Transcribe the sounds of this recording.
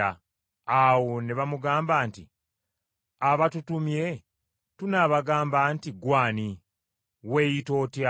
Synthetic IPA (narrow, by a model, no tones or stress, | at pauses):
a | awoneβamuɡaːmbaːnti | aβatutumje̞ | tunaːβaɡaːmbantiɡwaːni | weːjito̞ːtja